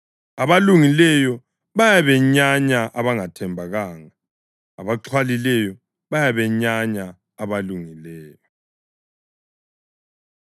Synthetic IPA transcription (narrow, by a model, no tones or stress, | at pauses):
aβaluŋilɛjɔ | βajaβɛɲaɲaʔaβaŋatʰɛmbʱaɣaːŋaː | βaǁʰwalilɛjɔ | βajaβɛɲaɲaː | βaluŋilɛːjɔ